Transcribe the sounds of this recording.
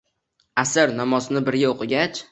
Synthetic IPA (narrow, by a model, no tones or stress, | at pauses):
asɪɾnamɒznɪbɪɾɡʲaoqʰɨɡʲat͡ʃ